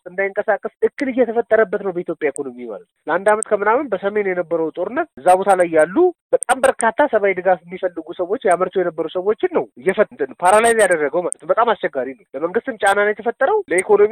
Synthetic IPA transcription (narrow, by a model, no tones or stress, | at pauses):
ɨnd̪ajɪŋkʼəsakʼːəsɨkːɨlɨjːɛt̪ʰəfət̪ʼːəɾəbːət̪nəwbəit̪ʰjo̞pʼjaikʰo̞no̞mima̰lət̪ləand̪amət̪kʰəmɨnawɨnbəsəme̞njɛnəbːəɾəwt̪ʼo̞ɾɨnːət̪̚ɨzːabo̞t̪ʰalajːalːubət̪ʼambəɾkʰat̪ʰːasəβawjd̪ɨɡafjɛmːifəlːɨɡusəwo̞t͡ʃːjaməɾt̪ʰojɛnəbːəɾusəwo̞t͡ʃːɪnːəwɨjːɛfət̪ːt̪ɨnpʰaɾalajzjad̪ərːəɡəwmalət̪ʰɨmbət̪ʼamast͡ʃɛɡːaɾinəwbəməŋɡɨst̪ɨmt͡ʃʼananajɛt̪ʰəfət̪ʼːəɾəwləikʰo̞no̞mi